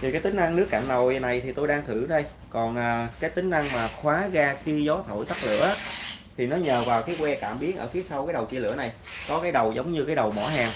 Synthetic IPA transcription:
t̪ʰi˨˩kaː˨˦jt̪ï˨˦ŋ̟ʔa˧ŋnɨ˦˥ək̚ːaː˧˨˩nno˨˩jna˨˩jt̪ʰi˨˩t̪o˧jɗaː˧ŋt̪ʰɨ˧˩ɗə˧j | kɔ˨˩nʔəː˨˩kaː˨˦jt̪ï˨˦ŋ̟ʔa˧ŋmaː˨˩xwaː˨˦ɣaː˧xi˧zɔ˨˦t̪ʰo̰˧˩jt̪a˦˥t̚lɨ̰˧˨əʔaː˨˦t̪ʰi˨˩nɔ˨˦ɲəː˨˩vaː˨˩wxi˨˦kwɛ˧kaː˧˩mɓi˨˦ənʔə̰ː˧˩fi˨˦əsa˧wkaː˨˦jɗə˨˩wt͡ɕi˧lɨ˧˩əna˨˩j | kɔ˨˦kaː˨˦jɗə˨˩wzə˨˦wŋ͡mɲɨ˧kaː˨˦jɗə˨˩wmɔ˧˩ɦaː˨˩ŋ

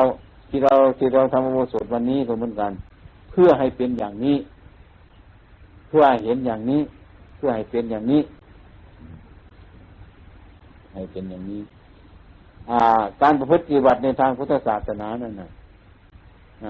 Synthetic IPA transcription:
a˧w | t̪ʰiː˧ɾa˧wt̪ʰiː˧˩ɾa˧˨wt̪ʰa˧mʔa˧woː˧˩so˨˩t̪̚wa˧nːiː˧˥˨kʰɔː˧˩mɯː˧˦˥nka˨n | pʰɯ˧ɐɦa˨˩jpe˨njaː˨˩ŋniː˦˧˥ | pʰɯ˧ɐha˨˩jɦe˨˦njaː˨˩ŋniː˧˥˨pʰɯ˧˩ɐha˨˩jpe˨njaː˨˩ŋniː˧˥˩ | ha˨˩jpe˨njaː˨˩ŋniː˧˥˩ | ʔaː˧˩kaː˨˧˨npa˧pʰɯ˧˥t̪̚pa˧t̪i˧ba˧˩t̪̚na˧jt̪ʰaː˧ŋpʰu˧˥t̪ʰːa˧˩saː˨˩t̪̚sʰa˧naː˨˦na˧˩˨nːa˧˩ | a˧

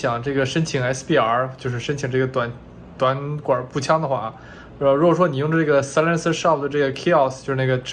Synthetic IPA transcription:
jɑ˨˩˦ŋʈ͡ʂɤ˥˩ɡə˩ʂə˥nt͡ɕʰi˨˧˥ŋaɛ˥spi˥˩a˧˥t͡ɕjo˥˧ʊʂɻ̩˥˩ʂə˥nt͡ɕʰi˨˩ŋʈ͡ʂɤ˥˩ɡə˩t̪wa˨˩n | t̪wa˧˥nkwa˨˩˥pu˥˩t͡ɕʰjɑ˥ŋd̪ə˧xwa̰˥˩˧ | ɻu˧˥ɡwɔ˨˩ʂwɔ˥ni˨˩jʊ˥˧ŋʈ͡ʂə˧ʈ͡ʂɤ˥˩ɡə˩slə˥ns̩˥ʂɑ˥˩p̚d̪ə˩ʈ͡ʂɤ˥˩ɡə˩kʰe˥ɑ˥˩st͡ɕjo˥˧ʂɻ̩˥˩n˥˩ɡə˩ʈ͡ʂ

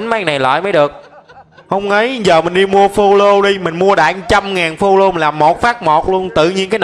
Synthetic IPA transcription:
nmaː˨˦jna˨˩jlwa̰˧˨jməː˨˦jɗɨ˨˩ək̚hə˧wŋ͡mŋə˨˦jzəː˨˩mï˨˩ŋ̟ɗi˧mu˧əfo˧lo˧ɗi˧mï˨˩ŋ̟mu˧əɗa̰ː˧˨˩ŋt͡ɕa˧mŋaː˨˩nfo˧lo˧laː˨˩mːo˨˩t̚faː˦˥k̚mo˨˩t̚lu˧ənt̪ɨ̰˧˨ɲi˧ənkaː˨˦n

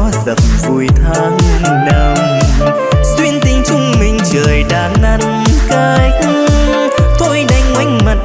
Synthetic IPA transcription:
zə̰˨˩m̚vu˨˩jt̪ʰaː˧ŋ˧ | ɗə˧˩wŋ͡m | swi˧ənt̪ï˧˦ŋ̟t͡ɕʊ˧ŋ͡mmï˨˩ŋ̟t͡ɕəː˨˩jɗaː˨˩nnə˧˩ŋ | kəː˧ | t̪ʰo˧jɗa˨˧jŋ̟wa˨˦jŋ̟mə˨˩t̚

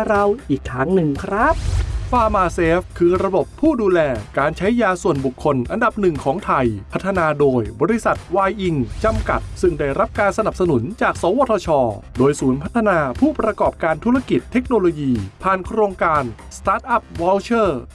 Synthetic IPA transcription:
ɾa˧wʔiː˨˩k̚t̪ʰaː˦˥ŋnɯ˨˩ŋkʰɾa˦˥p̚faː˧maː˧seː˦˥fkʰɯː˧ɾa˧bo˨˩pʰːuː˥˩duː˧lɛː˧kaː˧nt͡ɕʰa˦˥jːaː˧su˨˩ənbu˨˩kʰːo˧nʔa˧nda˨˩p̚nɯ˨˩ŋkʰɔː˩˦ŋt̪ʰa˧jpʰa˦˥t̪ʰːa˧naː˧doː˧jbɔː˧ɾi˧˥sa˨˩t̪̚waː˧jʔi˧ŋt͡ɕa˧mka˨˩t̪̚sɯ˥˩ŋda˥˩jɾa˦˥p̚kaː˧nsa˧na˨˩p̚sa˧nu˩˦nt͡ɕaː˨˩k̚sɔː˩˦waː˧˥t̪ʰːɔ˧t͡ɕʰɔː˧doː˧jsuː˩˦npʰa˦˥t̪ʰːa˧naː˧pʰuː˥˩pɾa˧kɔː˨˩p̚kaː˧nt̪ʰu˦˥ɾa˧ki˨˩t̪ʰːe˦˥k̚noː˧loː˧jiː˧pʰaː˨˩nkʰɾoː˧ŋkaː˧nst̪aː˦˥t̪̚ʔa˦˥˩p̚wɔː˧wt͡ɕʰɤː˥˩

